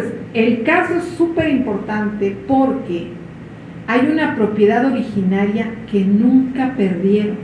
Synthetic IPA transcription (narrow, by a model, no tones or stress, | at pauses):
se̞lkaso̞esːupe̞ɾimpo̞ɾt̪ant̪e̞po̞ɾke̞ | ajunapɾo̞pje̞ðaðo̞ɾixinaɾjake̞nũŋkape̞ɾðje̞ɾon